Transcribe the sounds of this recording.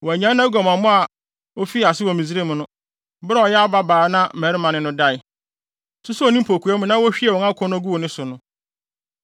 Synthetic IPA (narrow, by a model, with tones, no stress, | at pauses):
wɔ˨æ˨ɲã˦nː˦ã˦ɡɔ˨mã˨mʊ̃˦a˨ | o˦fi˦˨a˨sɪ˦wɔ˨mĩ˨zi˦ɾe˦mʊ̃˨nʊ̃˦ | bɾa˦ɔ˨jɛ˦a˦ba˦baː˨˦nã˦˨mæ˨˦ɾɪ˦mã˨nɪ̃˦nʊ̃˦da˦ɪ˨ | sʊ˦su˦o˨nĩ˦m̩˦pʰo˨kʰu˨ɛ˦mʊ̃˦nã˦wɔ˦ɕᶣi˦ɛ˨wɔ̃˨ŋã˦kʰɔ̃˦ñ˦ɡu˦wo˨nɪ̃˦sʊ˨nʊ̃˦